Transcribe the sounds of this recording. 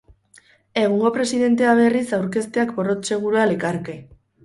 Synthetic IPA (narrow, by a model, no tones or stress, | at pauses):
e̞ɣ̞uŋɡo̞pɾe̞siðe̞nt̪̬e̞aβ̞e̞risawɾke̞st̪e̞akbo̞ro̞tse̞ɣ̞uɾualekaɾke